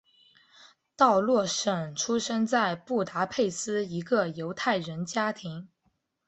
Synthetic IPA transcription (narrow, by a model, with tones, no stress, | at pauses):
t̪ɑ˥˧ʊlwɔ˥˩ʂə˨˩ŋʈ͡ʂʰu˥ʂə˥ŋt͡sa˥˧ɪpu˥˩t̪a˧˥pʰe˥˩ɪsɹ̩˥i˧˥ɡə˧jo˧˥ʊt̪ʰa˥˩ɪɻə˧˥nt͡ɕja˥t̪ʰi˧˥ŋ